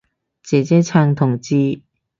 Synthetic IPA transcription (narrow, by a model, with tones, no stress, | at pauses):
t͡ɕe˨˩t͡ɕɛ˥t͡sʰa˧ŋt̪ʰʊ˨˩ŋt͡ɕi˧